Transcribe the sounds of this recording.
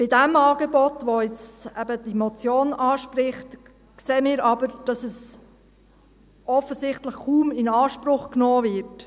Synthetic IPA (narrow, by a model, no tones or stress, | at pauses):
b̥ɪdɛmɑːɡ̥ebɔtʋoɪt͡stɛbəd̥imɔt͡sjoːnʔɑːʃprɪχt | kseːmɪːɾɑbəɾd̥ɑsɛs | ʔɔfəsɪχtləχkuːmɪnɑːʃprʊχknɔːvɪɾt